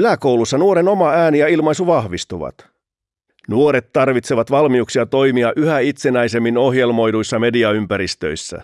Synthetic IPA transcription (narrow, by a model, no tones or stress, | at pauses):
ylæko̞wlusːɑnuoɾe̞no̞mɑæːnijɑilmɑjsuʋɑhʋist̪uʋɑ̰t̪ | nuo̞ɾe̞t̪ːɑrʋit̪se̞ʋɑt̪ʋɑlmiuksiɑt̪o̞jmiɑʔyhæit̪senæjse̞mːino̞ɦje̞lmo̞jdujsːɑme̞diɑympæɾist̪ø̞̰jsːæ̰